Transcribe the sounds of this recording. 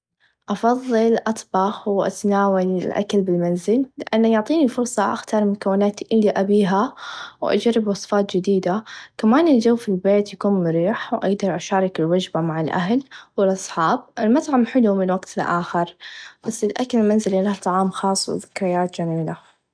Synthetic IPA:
ʔɑfɑðˤːɨlʔɑt̪ˤbɑxwʔa̰t̪naːwalɪlʔa̰klbɪlmanzɪlːɪʔanːajʊʕt̪ˤiːnifʊɾsˤɑʔa̰xt̪ɑɾˤmʊkawːɪnaːt̪ʔɪlːiʔabiːɦawʔa̰d͡ʒaɾːɪbwɑsˤfɑːt̪d͡ʒɪd̪iːd̪akamaːnɪld͡ʒawːfilbeːt̪jakuːnmʊɾiːħwʔaɡd̪ɑɾˤʔaʃɑːɾˤɑkɪlwad͡ʒbamaʕɪlʔa̰ɦlwɪlʔɑsˤħɑːb̚ʔɪlmat̪ʕamħɪlumɪnwaɡt̪ʰɪlʔa̰ːxɪɾb̥asːɪlʔakalɪlmanzɪlɪlaht̪ˤːɑʕɑːmxɑːsˤːwɪ̰ðɪkɾɪjaːt̪d͡ʒamiːla

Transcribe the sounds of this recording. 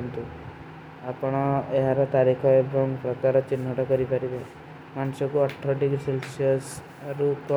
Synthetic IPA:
nt̪u | apɔɽ̃ɔeɦaɾɔt̪aɾikʰɔebɔŋɡpɾɔkaɾɔt͡ʃinːɔʈɔkɔɾipaɾibe | mansɔkuɔʈʰːɔɖiɡɾiselsiɔs | ɾukɔ

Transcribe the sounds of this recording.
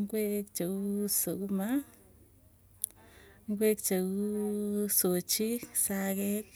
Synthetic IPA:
ŋɡʷekt͡ʃausuma | ŋɡʷekt͡ʃausut͡ʃisaɡek

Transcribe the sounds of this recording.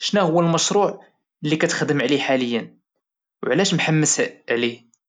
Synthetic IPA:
ʃnæhʊwːəlmɑʃɾˤuʕ | lːikæt̪xd̪əmʕliħaləjːən | wʕlæʃmħamːəsʕlih

